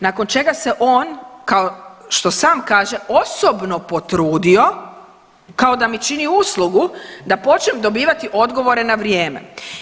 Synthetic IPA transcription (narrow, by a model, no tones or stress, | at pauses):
nakont͡ʃe̞ɡase̞ʔo̞ːnkaoʃt̪o̞saːmkaːʒe̞o̞sobno̞po̞t̪ɾuːd̪io̞ | kao̞d̪amit͡ʃiniuslˠuɡud̪apo̞t͡ʃnemd̪o̞biːʋat̪iʔo̞d̪ɡo̞ʋo̞ɾe̞naʋɾjeːme̞̰